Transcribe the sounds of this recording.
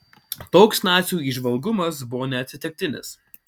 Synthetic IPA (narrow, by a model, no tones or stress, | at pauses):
t̪oːksnɑːt̪sʲuːiʒʋɐlˠɡʊmɐs̬bʊʋoːnʲɛɐt̪ʲsʲɪt̪ʲɪk̚ʲt̪ʲɪnʲɪ̰s